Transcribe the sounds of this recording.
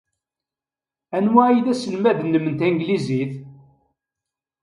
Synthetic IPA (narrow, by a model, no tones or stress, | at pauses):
ænwæjðæsəlmæðnːəmənt̪æŋɡliziθ